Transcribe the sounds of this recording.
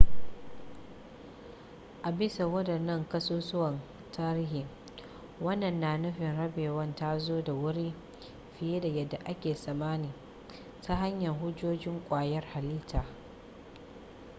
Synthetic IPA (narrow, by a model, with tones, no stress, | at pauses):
ʔa˨bɪ˦sa˨wɐ˦dɐ˨nːɐ˦ŋkɐ˦soː˦sʊ˦wɐ˨n | tʰaː˦ɾiː˦ɦi˨ŋ | wɐ˦nːɐ˨nːaː˨nʊ˦ɸɪ˨nɽɐ˦beː˨wɐ˦nta˦zoː˦da˨wʊ˦ɽiː˦ | ɸɪ˨je˦da˨jɐ˨dːa˨ʔa˦kʲeː˨sɐ˨maː˦niː˨ | ta˦ɦa˦ɲjɐ˨ŋɦʊ˦d͡ʒoː˦d͡ʒɪ˦ŋkʷʼaː˨jɐ˦rha˨liː˦tʰaː˨